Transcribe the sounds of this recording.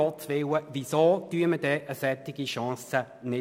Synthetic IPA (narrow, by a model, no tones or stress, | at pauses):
ɔvɪwəvisoːd̪̥yəmədɛːʔəsɛt̪ɪɡiʃɑ̃ːsə | nɪ